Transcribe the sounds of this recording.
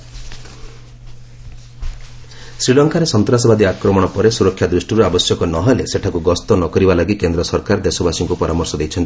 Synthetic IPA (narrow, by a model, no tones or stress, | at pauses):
sɾilɔŋkaɾesɔnt̪ɾasɔbad̪iakɾɔmɔɽ̃ɔpɔɾesuɾɔkʰjad̪ɾusʈiɾuabɔsjɔkɔnɔɦɔleseʈʰakuɡɔst̪ɔnɔkɔɾibalaɡikend̪ɾɔsɔɾkaɾd̪esɔbasiŋkupɔɾʔamɔɾsɔd̪ejt͡ʃʰɔnt̪i